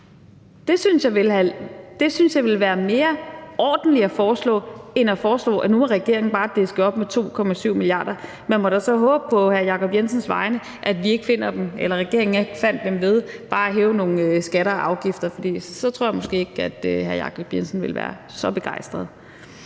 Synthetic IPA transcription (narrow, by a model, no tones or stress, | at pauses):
d̥e̝synsjɑ̈ɪʋelæd̥e̝synsjɑ̈ɪʋe̝lʋæːɐme̝ːɐʔɒːd̥n̩liæfɒːslɔ̰ːenæfɒːslɔ̰̽ːænumɒʁɛɡ̥e̝ɐe̝ŋn̩b̥ɑ̈ːd̥e̝sɡ̥ɒ̽b̥met͡sʰo̝̰ːkʰɒ̽mæsyʊ̰miliɑ̰̈ːd̥ɐ | mænmɒɾæsɒ̽ɦɔ̽ːb̥əpʰɒ̽hæɐjɑ̈kʰɒ̽b̥jensənsʋɑ̈ɪnə | ʔæd̥ʋie̝ɡ̥fe̝n̰ɐd̥emelɐʁɛɡ̥e̝ɐ̰eŋ̩eɡ̥fæn̰d̥ːemʋe̝ð̞ˠb̥ɑ̈ːæɦɛːʊno̝ːn̩øsɡ̥æɾɐʔɑ̈ʊɡ̥ifd̥ɐfɒd̥ḭːsɒ̽t͡sʰʁo̝ɐ̰jmɔ̽sɡ̥e̝̰ːeɡ̥æd̥øhæɐjɑ̰̈kʰɒ̽b̥jensn̩ʋe̝lʋæ̰ːɐ | sɒ̽b̥e̝ɡ̥ɑ̈ɪ̰sd̥ʁɐð̩ˠ